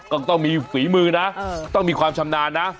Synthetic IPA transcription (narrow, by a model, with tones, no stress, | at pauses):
kɔ˨˩nt̪ɔ˧mi˧˨˦ki˧˨˦mɨ˧naː˨˧˥t̪ɔ˧mi˧˩xwaː˧˩mt͡ɕa˧mnaː˧˨naː˧˥